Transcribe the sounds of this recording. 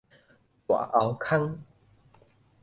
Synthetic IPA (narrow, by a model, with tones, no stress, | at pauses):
kwa̰˨˩˦ʔa˨˧wkʰa˦ŋ